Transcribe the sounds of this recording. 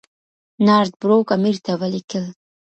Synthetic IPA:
nɑɾt̪̚bɾokamiɾt̪awəlikəl

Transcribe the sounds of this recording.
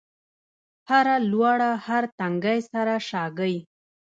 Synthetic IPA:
haɾalwaɽahaɾt̪aŋɡajsaɾaʃɑɡəj

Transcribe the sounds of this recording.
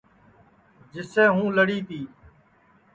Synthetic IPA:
d͡ʒɪsẽːɦũːləɽiːt̪iː

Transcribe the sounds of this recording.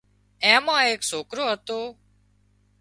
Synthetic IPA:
ɛ̃ːmãːeːksoːkɾoːɦət̪oː

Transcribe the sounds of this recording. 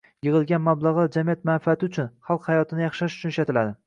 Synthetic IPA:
jɨʁɨlˠɡʲanmablˠɑʁlˠad͡ʒamijat̪manfiat̪ʰɪʊt͡ʃʰʊnχɑlˠqhajɒt̪ʰɪnɪjɑχʃaʃʊ̥t͡ʃʰʊniʃat̪ʰɪlad̪ɪ

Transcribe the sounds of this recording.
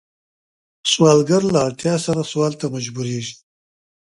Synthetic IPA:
swɑːlɡaɾlaːɽt̪jɑːsaɾaswɑːlt̪amad͡ʒbuɾeʒi

